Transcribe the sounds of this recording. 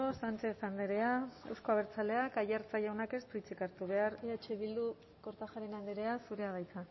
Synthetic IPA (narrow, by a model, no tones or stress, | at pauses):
osant͡ʃe̞θand̪eɾe̞ae̞wsko̞aβeɾt͡sale̞akajaɾt͡sajawnake̞spɾit͡sikaɾt̪uβe̞aɾiat͡ʃeβild̪u | ko̞ɾt̪axaɾenand̪eɾe̞asuɾe̞aβajt̪a